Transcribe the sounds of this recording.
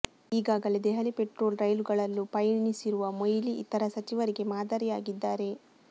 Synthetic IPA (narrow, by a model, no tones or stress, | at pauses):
iːɡaːɡɐle̞d̪ɛɦɐlipe̞ʈɾo̞ːlɾɐjluɡɐɭɐlːupɐjnisiɾuʋɐmojliʔḭt̪ɐɾɐsɐt͡ʃiʋɐɾiɡe̞maːd̪ɐɾijaːɡid̪ːaːɾe̞